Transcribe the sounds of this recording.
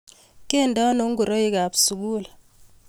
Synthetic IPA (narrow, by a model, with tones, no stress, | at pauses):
ke˦˨ndɔ˦no˦ŋɡu˨ɾo˦i˦ka˨psu˨ɡu˦˨la˨